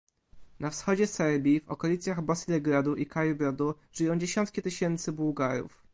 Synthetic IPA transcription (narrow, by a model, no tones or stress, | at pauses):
nafsxɔd͡ʑɛsɛɾbʲjivɔkɔlʲit̪sʲjaɣbɔsilɛɡɾad̪uʔikajubɾɔd̪u | ʐ̥ɘjɔ̃w̃d͡ʑeɕɔnt̪̚kʲit̪ɘɕɛnt̪sɘbuwɡaɾṵf